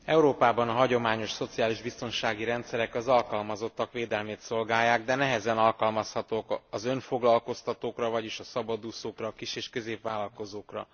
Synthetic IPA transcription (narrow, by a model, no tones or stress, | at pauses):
ɛuɾoːpaːbɒnɒɦɒɟo̞maːɲo̞ʃso̞t̪sijaːliʒbist̪o̞nʃaːɡiɾɛnt̪sɛɾɛkɒzɒlkɒlmɒzo̞t̪ːɒkʋeːd̪ɛlmeːt̪so̞lɡaːjːaːɡd̪ɛnɛɦɛzɛnɒlkɒlmɒshɒt̪oːkɒzø̞ɱfoɡlɒlko̞st̪ɒt̪oːkrɒvɒɟiʃɒsɒbɒd̪uːsoːkrɒːkiʃeːʃkø̞zeːpʋaːlɒlko̞zoːkrɒ̰